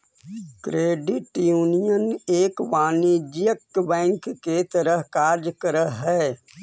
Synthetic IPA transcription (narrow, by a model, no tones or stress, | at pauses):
kɾeːɖɪʈjuːnijəneːkʋaːnid͡ʒjəkbɛ̃ːŋkːet̪əɾəɦkaːɾd͡ʒkəɾəɦɛː